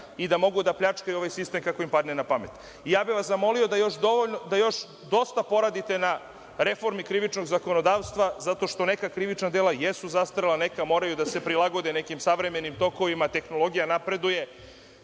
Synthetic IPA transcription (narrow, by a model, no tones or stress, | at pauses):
id̪amo̞ɡud̪apʎʲat͡ʂkajio̞ʋajsist̪e̞mkako̞impad̪nenapamet̪ | ijaːbiʋaszamo̞liod̪ajo̞ʃd̪oʋoʎnod̪ajo̞ʃ | d̪o̞st̪apo̞ɾad̪it̪e̞na | ɾe̞fo̞ɾmikɾiʋit͡ʃno̞ɡzako̞nod̪aːʋst̪ʋazat̪o̞ʃt̪o̞nekakɾiʋit͡ʃnad̪eːlajesuzast̪ɾelˠane̞kamo̞ːɾajud̪ase̞pɾilaɡo̞d̪ene̞kimsaʋɾeme̞nimt̪o̞ko̞ʋimat̪e̞xno̞lˠo̞ɡijanapɾe̞d̪uje̞